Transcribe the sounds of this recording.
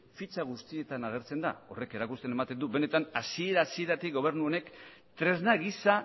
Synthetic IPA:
fit͡saɣ̞ust̪ie̞t̪anaɣ̞e̞ɾt͡se̞nd̪a̰o̞̰re̞ke̞ɾakust̪ene̞mat̪e̞nd̪uβe̞ne̞t̪anasie̞ɾasie̞ɾat̪ikɡo̞β̞e̞rnuo̞ne̞kt̪ɾe̞znaɣisa

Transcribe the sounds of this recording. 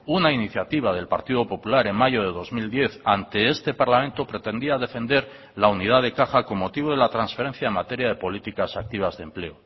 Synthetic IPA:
unainiθjat̪iβ̞að̞e̞lpa̰ɾt̪iðo̞po̞pulaɾe̞ŋmaʝo̞ð̞e̞ðo̞zmild̪je̞θant̪e̞est̪e̞paɾlamẽ̞nt̪o̞pɾe̞t̪e̞nd̪iaðe̞fe̞nd̪e̞ɾ | launiðaðe̞kaxako̞mːo̞t̪iβ̞oð̞e̞lat̪ɾansfe̞ɾe̞n̟θjaemat̪e̞ɾjað̞e̞po̞lit̪ikasak̚t̪iβ̞azðemple̞o

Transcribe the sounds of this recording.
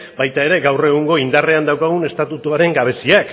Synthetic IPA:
bajt̪ae̞ɾe̞ɡawre̞ɣuŋɡo̞ind̪are̞and̪awkaɣune̞st̪at̪ut̪uaɾe̞ŋɡaβ̞e̞siak

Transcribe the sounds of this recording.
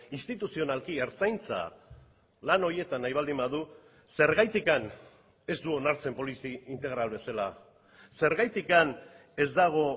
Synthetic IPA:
inst̪it̪usio̞nalkieɾt͡sajnt͡sa̰ | lano̞ɾje̞t̪anajβ̞ald̪imbaðu | se̞ɾɣajt̪ikan | e̞zd̪uo̞naɾt͡se̞mpo̞lisiint̪e̞ɣ̞ɾalβe̞sala | se̞ɾɣajt̪ikan | e̞zd̪aɣ̞o̞

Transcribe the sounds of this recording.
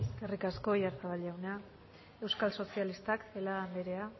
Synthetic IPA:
eskerikasko̞jaɾθaβaʎawna | e̞wskalso̞sialist̪akelambe̞ɾe̞a

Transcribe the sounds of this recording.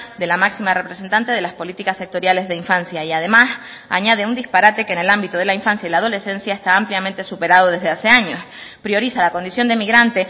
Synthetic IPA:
d̪e̞lamaksimare̞pɾese̞nt̪ant̪e̞ð̞e̞laspo̞lit̪ikasːek̚t̪o̞ɾjale̞zðe̞iɱfansjaiaðe̞mas | a̰ɲaðe̞und̪ispaɾat̪e̞kene̞lambit̪oð̞e̞laiɱfansjailaðo̞le̞se̞nsjaest̪aːmpljamẽnt̪esupe̞ɾað̞o̞ð̞e̞zðease̞aɲo̞s | pɾjo̞ɾisalako̞nd̪isjo̞nd̪emiɣɾant̪e̞

